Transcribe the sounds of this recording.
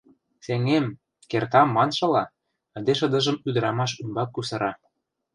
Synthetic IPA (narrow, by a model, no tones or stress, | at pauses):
seŋem | kert̪ɑmːɑnʃɤ̆lɑ | ə̆d̪eʃɤ̆d̪ɤ̆ʒɤ̆myd̪ə̆ɾɑmɑʃumbɑkːusɤ̆ɾɑ